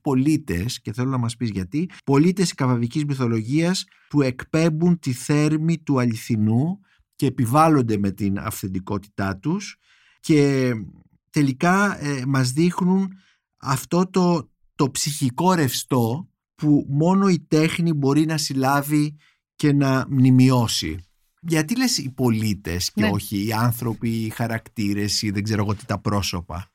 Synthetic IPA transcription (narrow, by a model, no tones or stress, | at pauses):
po̞lit̪e̞sce̞θe̞lo̞nɐmɐspizʝɐt̪ipo̞lit̪e̞skɐvɐvicizmiθo̞lo̞ʝiɐs | pue̞kpe̞mbunt̪iθe̞ɾmit̪uɐʎiθinu | ce̞ːpivɐlo̞nd̪e̞me̞t̪inɐ̰fθe̞nd̪iko̞t̪i̥t̪ɐt̪us | ce̞ | t̪e̞likɐemɐzðixnun | ɐft̪o̞t̪o̞ | t̪o̞psiçiko̞ɾe̞fst̪o̞ | pumo̞no̞it̪e̞xnibo̞ɾinɐsilɐvi | ce̞nɐmnimio̞sḭ | ʝɐt̪ile̞sipo̞lit̪e̞sceo̞çiːɐnθɾo̞piːxɐɾɐkt̪iɾe̞siðe̞ɡze̞ɾo̞ɣot̪it̪ɐpɾo̞so̞pɐ̰